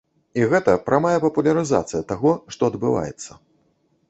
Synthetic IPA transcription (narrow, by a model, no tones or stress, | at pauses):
iɣɛt̪ɐpɾamajɐpɐpulʲɐɾɨza̰t̪sɨjɐt̪aɣɔʂt̪ɔɐd̪bɨva̰jɛ̰t̪sːɐ